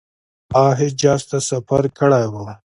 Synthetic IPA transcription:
aːɦed͡ʒaːst̪asɐfɐɾkʰəɽajwa

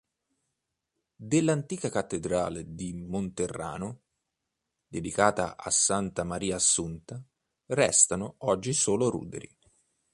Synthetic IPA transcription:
d̪elːant̪iːkakat̪ːed̪ɾaːled̪imont̪erːa̰ːno | d̪ed̪ikaːt̪a̰a̰sːant̪amaɾiːasːunt̪a | rɛst̪anoɔd͡ʒːisoːloɾṵːd̪ḛɾi

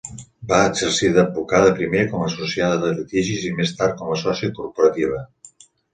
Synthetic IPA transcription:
baəɡzəɾsiðəbukaðəpɾimekɔməsusjaðəðəlit̪iʒizimest̪aɾ̚kɔməsɔsjəkuɾpuɾət̪iβ̞ə

